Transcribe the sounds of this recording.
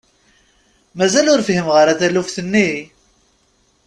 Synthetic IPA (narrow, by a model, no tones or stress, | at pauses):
mæzælʊɾfhimʁəɾæθælufθənːi